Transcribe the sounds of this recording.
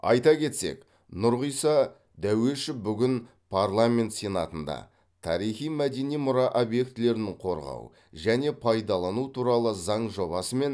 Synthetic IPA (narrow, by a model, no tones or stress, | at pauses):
ɑ̰jt̪ɑkʲʰe̞t̪se̞̰k | nʊɾʁijsɑ | d̪æwe̞ʃɪbʏɡʲɪn | pʰarlˠamʲe̞nt̪sʲenɑt̪ənd̪ɑ̰ | t̪ʰɑ̰ɾijχijmæd̪e̞nijmʊɾɑʔobje̞kt̪ɪle̞ɾɪnɪɴqʰo̞ɾʁɑ̰w | ʒæne̞pʰɑjd̪ɑlˠɑnut̪ʰuɾɑlˠəzɑɴʒo̞βɑsəme̞n